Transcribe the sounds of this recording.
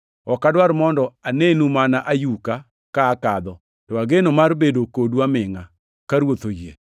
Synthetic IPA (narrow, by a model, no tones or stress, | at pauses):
ɔkadwaɾmɔndɔanenumanaʔajuka | kaːkad̪ɔ | tɔaɡenomarbedokodwamɪŋa | kaɾwot̪ojḛ